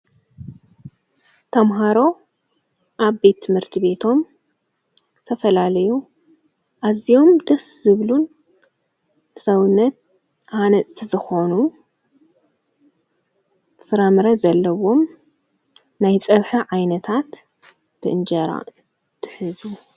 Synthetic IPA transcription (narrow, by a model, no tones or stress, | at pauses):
t̪ʰɐmɦaɾo̞ | ʔaβbe̞t̪ʰːɨmhɨɾt̪ʰiβe̞t̪ʰo̞m | t̪ʰɐfɐlalɐju | ʔazijo̞md̪ɐszɨβlun | ɨsɐwɨnːɐt̪̚ | hanɐt͡s̪ʼʰizɨxo̞nu | fɨɾamɨɾɐzɐlːɐwo̞m | najt͡sʼɐβħɨʕajnɐt̪ʰat̪ | b̥ɨʔɨnd͡ʒɐɾa̰ | t̪ʰɨ̥ħɨzu